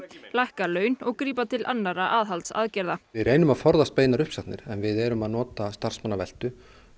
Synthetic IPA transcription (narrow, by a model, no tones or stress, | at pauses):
lajhkalœːɥnɔɣkɾiːpat̪ʰɪlʔa̰nːaɾaʔaːðɦalt̪sa̰ðcɛɾðaɪðreːjnʏmaðfɔɾðast̪̚peːjnaɾʏhpsat̪nɪɾɛnvɪðɛɾʏmaðnɔːt̪ast̪ar̥smanːavɛl̥t̪ʏ